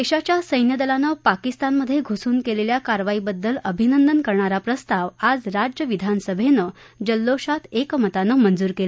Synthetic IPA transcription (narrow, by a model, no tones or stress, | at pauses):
eɕat͡ɕjasəjnjəd̪əlanəpakist̪anməd̪ʱjeɡʱosuːnkeleljakaɾʋaibəd̪ːələbʱinənd̪ənkəɾɳaɾapɾəst̪aʋad͡zɾad͡ʑjəʋid̪ʱanəsəbʱenə | d͡ʑəlːoɕat̪ekmət̪anəmənd͡zuːɾkela